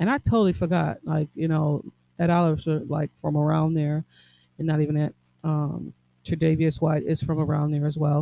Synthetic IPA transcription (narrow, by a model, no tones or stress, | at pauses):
ɨ̃ɾ̃aɪtʰoʊɾl̩ˠifə˞ɡɑ̰t̚la̰ɪkjɨñoʊ | ɨɾɑlˠəvzə˞la̰ɪkfɹʌ̃mə˞ãʊ̃nðə˞ | ɨ̃nːəɾivɨ̃nɨt̚ | ʌ̃m | tʰɨdeɪviɨswaɪɾɪz̥fɹʌ̃mə˞ãʊ̃nðə˞ɨzwɛlˠ